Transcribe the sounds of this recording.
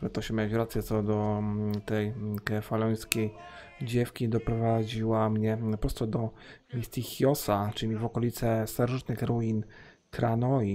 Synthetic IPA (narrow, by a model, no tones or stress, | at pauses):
uɾat̪ɔɕɛmʲawat͡ɕɾat̪sjɛt̪sɔd̪ɔt̪ɛjkɛfalɔj̃skʲej | d͡ʑɛfkʲid̪ɔpɾɔvad͡ʑiwamɲɛpɾɔst̪ɔd̪ɔ | mʲist̪ʲixjɔsat͡ʂɘlʲivɔkɔlʲit̪sɛst̪aɾʐɨt̪nɘxɾuin | kɾanɔi